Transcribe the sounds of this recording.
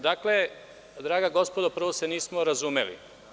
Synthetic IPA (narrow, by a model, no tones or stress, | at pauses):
d̪akle | d̪ɾaːɡaɡo̞spod̪opr̩ʋoseniːsmoɾazuːmḛlḭ